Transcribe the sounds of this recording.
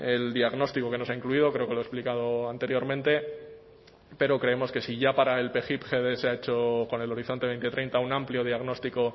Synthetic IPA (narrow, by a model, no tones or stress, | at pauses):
e̞ld̪iaɣno̞st̪iko̞ke̞noaiŋkluið̞o̞kɾeoke̞loesplikað̞o̞ant̪e̞ɾjo̞ɾmẽ̞nt̪e̞ | pe̞ɾo̞kɾe̞e̞mo̞ske̞siʝapaɾae̞lpe̞xipxe̞ðe̞seae̞t͡ʃo̞ko̞ne̞lo̞ɾiθo̞nt̪eejnt̪et̪ɾe̞jnt̪aunãmpljo̞ð̞iaɣno̞st̪iko̞